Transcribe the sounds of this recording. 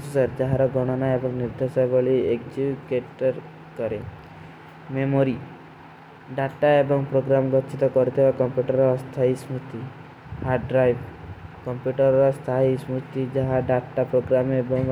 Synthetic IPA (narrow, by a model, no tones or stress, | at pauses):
susaɾd͡ʒaɦaɾɔɡɔɽ̃ɔnaebɔŋniɾd̪ʱesajbɔɭiekd͡ʒibkeʈɔɾ | kɔɾe | memoɾi | ɖaʈːaebɔŋpɾoɡɾamɡɔt͡ʃʰit̪ɔkɔɾit̪ʰibakɔmpjuʈɔɾɔst̪ʰaɦismɾut̪i | haɾɖɾajbkɔmpjuʈɔɾɔst̪ʰaɦismɾut̪id͡ʒaɦaɖaɾʈapɾoɡɾamebɔŋ